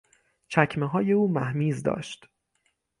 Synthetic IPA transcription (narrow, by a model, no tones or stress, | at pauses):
t͡ʃʰækʰmeɦɒːje̞uːmæhmiːzd̪ɒ̰ːʃt̪